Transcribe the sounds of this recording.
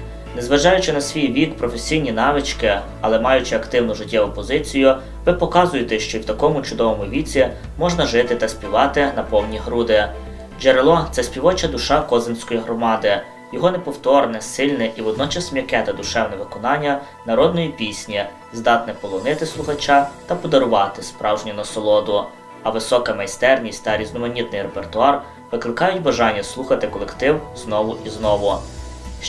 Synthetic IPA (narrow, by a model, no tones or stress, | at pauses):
nɛzʋɐʒɑjʊt͡ʃɪnɐsʲʋʲijʋʲikpɾɔfesʲijnʲinɑʋɪt͡ʃkɪ | ɐlˠɛmɑjʊt͡ʃɪɐkt̪ɪwnʊʒɪtʲːɛʊpɔzɪt͡sʲijʊ | ʋɪpɔkɑzʊjet̪ɛʃt͡ʃɔiwt̪ɐkɔmʊt͡ʃʊd̪ɔʋɔmʊʋʲit͡sʲi | mɔʒnɐʒɪt̪ɪt̪ɐsʲpʲiʋɑt̪ɪnɐpɔwnʲiɦɾud̪ɪ | d͡ʒeɾelˠɔt̪sɛsʲpʲiʋɔt͡ʃɐd̪ʊʃɑkɔzensʲkɔjiɦɾɔmɑd̪ɪ | jɔɦɔnɛpɔwt̪ɔrnɛsɪlʲnɛʔiʋɔd̪nɔt͡ʃɐsmʲjɐkɛt̪ɐd̪ʊʃɛwnɛʋɪkɔnɑnʲːɐ | nɐɾɔd̪̚nɔjipʲisʲnʲi | zd̪ɑt̪nɛpɔlˠɔnɪt̪ɪslˠʊxɐt͡ʃɑt̪ɐpɔd̪ɐɾʊʋɑt̪ɪspɾɑwʒnʲɐnɐsɔlˠɔd̪ʊ | ɐʋɪsɔkɐmɐjst̪ɛrnʲisʲtʲt̪ɐɾʲiznɔmɐnʲit̪̚nɪjrepert̪ʊɑr | ʋɪklˠɪkɑjʊtʲbɐʒɑnʲːɐslˠuxɐt̪ɪkɔlˠekt̪ɪwznɔʋʊʔiznɔʋʊ